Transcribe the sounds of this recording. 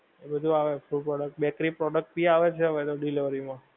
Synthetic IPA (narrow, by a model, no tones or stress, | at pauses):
ebəd̪ʱuaʋefuɖpɾɔɖək̚ʈ̚bɛkɾipɾɔɖək̚ʈ̚biaʋet͡ʃʰɛɦəʋet̪oɖiliʋəɾimã